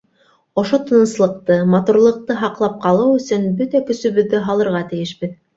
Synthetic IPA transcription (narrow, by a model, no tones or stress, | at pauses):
ŏʃot̪ŏnɤ̆slˠɤ̆q̚t̪ɤmɑt̪uɾlˠɤ̆q̚t̪ɤɦɑqlˠɑp̚qɑlˠɤwɵ̆sɵnbɵt̪ækɵ̆sɵ̆βɵ̆ðːɘɦɑlˠɤ̆ɾʁɑt̪ɘ̆jɘʃbɘð